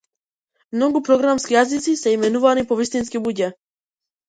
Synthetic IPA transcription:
mnɔɡupɾɔɡɾamskijazit̪sisɛimɛnuvanipɔvist̪inskibuɟɛ

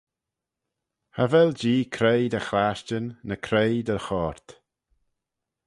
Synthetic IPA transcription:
havɛld͡ʒiːkʰɾejd̪əxlaʃt͡ʃənnəkʰɾejd̪əxɔːɾt̪

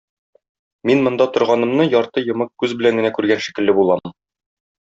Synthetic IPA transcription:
minmŏnd̪ɑt̪ŏɾʁɑnɤ̆mnɤjɒɾt̪ɤjŏmɤq̚kʉzbɘ̆læŋɡɘ̆nækʉɾɡænʃi̥kɘ̆lːɘbulˠɑm

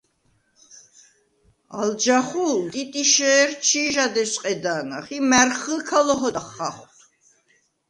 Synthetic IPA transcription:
a̰ld͡ʒaχult̪ʼit̪ʼiʃɛːɾt͡ʃʰiːʒad̪ɛsʼqʼɛd̪aːnaχimɛɾχəlkʰalɔɦɔd̪aχːaχt̪ʰ

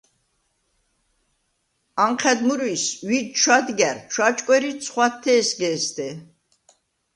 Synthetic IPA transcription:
amχʰɛd̪muɾwiswid̪ʃʰwad̪ɡɛɾt͡ʃʰwat͡ʃʼkʼwɛɾisʰχwat̪ʰːɛːsɡɛːst̪ʰɛ

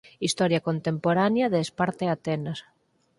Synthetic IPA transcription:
ist̪ɔɾjakont̪empoɾanjaðeːspaɾt̪eat̪enas

